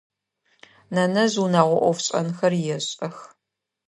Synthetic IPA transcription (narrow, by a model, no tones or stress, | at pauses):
nɐnɐzunaːʁʷɔʔʷɔfɕʼɐ̰nxɐrjɛɕʼɐx